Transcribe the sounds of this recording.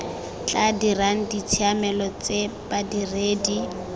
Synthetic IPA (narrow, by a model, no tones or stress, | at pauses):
t͡ɬadiran̩dit͡sʰiamɛlɔt͡sebadireːdi